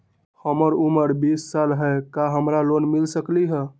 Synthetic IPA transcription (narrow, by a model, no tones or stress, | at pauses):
həməɾuməɾbisːalɦɛkaɦəmɾalonmilsəkliɦə̃